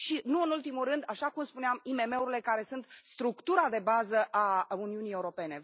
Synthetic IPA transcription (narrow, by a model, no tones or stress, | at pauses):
ʃinuɨnult̪imuɾɨnd̪aʃakumspuneamime̞me̞uɾile̞kaɾe̞sunt̪st̪ɾukt̪uɾad̪e̞bazəʔauniunije̞uɾo̞pe̞ne̞